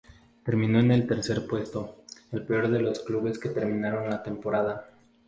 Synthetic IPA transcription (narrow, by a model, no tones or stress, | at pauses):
t̪e̞ɾmĩno̞ene̞lt̪e̞ɾse̞ɾpwe̞st̪o̞e̞lpeo̞ɾðe̞lo̞skluβe̞ske̞t̪e̞ɾmĩnaɾo̞nlat̪e̞mpo̞ɾaða